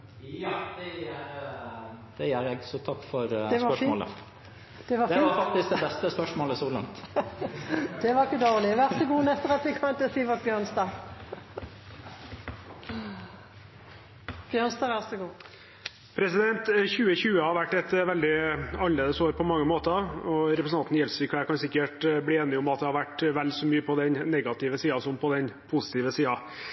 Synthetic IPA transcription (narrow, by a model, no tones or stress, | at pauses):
d̪ɛɾ | d̪̥ɛjæɾjɛɡsɔt̪ʰɑkːfɔɾd̪ɛspœmo̰ːlə̰ | d̪̥ɛʋɑd̪ɛːɾfɑk̚t̪ɪsk̚d̪ɛbɛst̪əspœʂmoːləsolɑ̰ŋt̪ | d̪̥ɛʋɑɪkːəd̪oːʁlɪʋæʁsɔɡuːnɛst̪əʁɑt̪ʋɪkʰɑnt̪ɛsiːʋɑbjœʁnsd̪ɑːɡ | b̥jønsd̪ɑːʋæʁsəɡuː | pʰɾɛsɪd̪ɛnt̪çʉːəçʉːəhɑɾʋæʈːɛt̪ʋɛld̪ɪɑlleːd̪əsoːɾpʰɔmɑŋːəmoːt̪əɔɾɛpɾəsn̩ʰɑnt̪njɛlsɪkʰæːkɑnsɪkːəʈbliːeːnɪʊmɑt̪̚d̪ɛhɑɾʋæʈʋɛlsɔmyːəpʰɔd̪ɛnnɛɡɑt̪ɪʋəsiːɑsɔmpʰɔd̪ɛnpʰʊsɪ̥t̪ʰɪːʋəsiːɑ